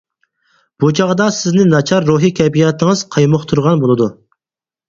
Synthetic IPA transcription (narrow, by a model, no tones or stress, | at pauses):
b̥ut͡ʃʰɑʁd̪ɑsɪznɪnɑt͡ʃʰɑɾːuɦikʲʰɛbijɑt̪ʰɪŋɨz̥qʰɑjmoχt̪ʰuɾʁɑnbolˠɨd̪u